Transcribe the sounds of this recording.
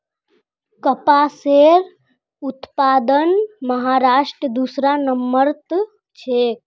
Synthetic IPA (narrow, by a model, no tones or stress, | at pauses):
kəpaseɾ | ut̪paːd̪ənməɦaɾaːʃʈɾəd̪usɾanəmːəɾt̪ | t͡ʃʰek